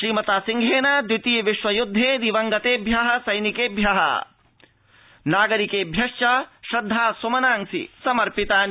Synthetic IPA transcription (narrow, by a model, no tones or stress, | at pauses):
ʃɾiːmɐt̪aːsiŋɡʱeːnad̪ɾit̪ijʋiʃʋɐjud̪ʱːeːd̪iʋɐŋɡɐt̪eːbʱjaːɦɐsɐjnikeːbʱjaːɦɐ̰ | naːɡɐɾikeːbʱjɐʂjɐʃɾɐd̪ʱːaːsɐmɐnaːŋsḭsɐmɐɾpit̪aːn